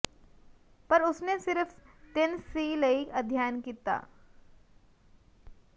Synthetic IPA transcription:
pəɾʊsnesɪɾft̪ɪnsiːləikəd̪ʱjaːnkiːt̪a̰ː

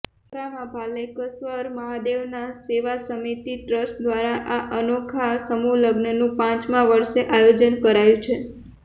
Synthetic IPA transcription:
pɾamãbʱaləjkəsʋəɾməɦad̪eʋnaseʋasəmit̪iʈɾəsʈd̪ʋaɾaʔaʔənokʰasəmuləɡnənũpãt͡ʃmãʋəɾʃeʔajod͡ʒənkəɾajũt͡ʃʰe

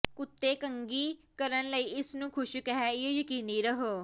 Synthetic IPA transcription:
kʊt̪ːeːkəŋɡiː | kəɾənləiːɪsnũːkʰʊʃkəɦɛːejəkiːniːɾəɦoː

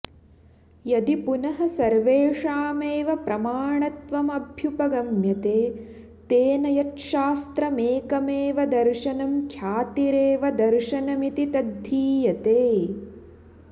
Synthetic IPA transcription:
jɐd̪ipunɐɦɐsɐɾʋeːʂaːmeːʋɐpɾɐmaːɳɐt̪ʋɐmɐbʱjupɐɡɐmjɐt̪eː | t̪eːnɐjɐt̪ʃaːst̪ɾɐmeːkɐmeːʋɐd̪ɐɾʃɐnɐmkʰjaːt̪iɾeːʋɐd̪ɐɾʃɐnɐmit̪it̪ɐd̪ʱːiːjɐt̪eː

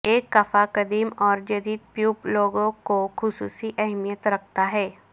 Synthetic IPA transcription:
eːkːɐfakɐd̪iːmɔːɾd͡ʒɐd̪iːd̪̚pjuːploːɡõkoxʊsṵːsiʔɛɦmijət̪ɾɐk̚ʰt̪aɦɛː

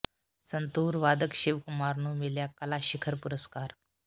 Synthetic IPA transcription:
sənt̪uːɾʋad̪əkɕiʋkumaɾnuːmiljakəlaɕikʰəɾpuɾəskaɾ

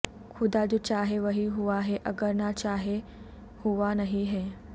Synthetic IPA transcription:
kʰud̪ad͡ʑut͡ɕaɦeʋəɦiɦuʋaɦeʔəɡəɾnat͡ɕaɦe | huʋanəɦiɦe

